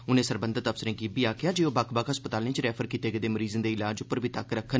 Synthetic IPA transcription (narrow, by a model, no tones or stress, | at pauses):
ʊnẽːsəɾbə̃nd̪ət̪əpsɪɾẽːɡiːbiːaːkʰɪjaːd͡ʒeːoːbaːkʰbakɦəspət̪aːlnẽːt͡ʃɾɛːpʰəɾkiːt̪eːɡəd̪eːməɾiːzənd̪eːɪlaːd͡ʒʊpːəɾbʱiːt̪əkɾəkʰːən